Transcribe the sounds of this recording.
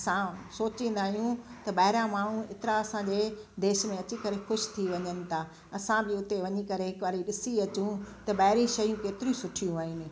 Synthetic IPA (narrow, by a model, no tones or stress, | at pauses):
ɐsãsoːt͡ɕĩːn̆d̪aːɦijũt̪ɐɓɐːɦɪɾãmaːɳ̤̃ũɪt̪ɪɾaɐsãd͡ʑed̪eːʃmẽɐt͡ɕikɐɾexʊʃt̪ʰiʋɐɲənɪ̆t̪ʰaː | ɐsãbɪʊt̪eʋɐɲikɐɾeɦɪkʋaːɾiɗɪsiɐt͡ɕũt̪ɐɓɐːɦɪɾĩʃɐjũkeːt̪ɪɾiũsʊʈʰijũaːɦɪnɪ̆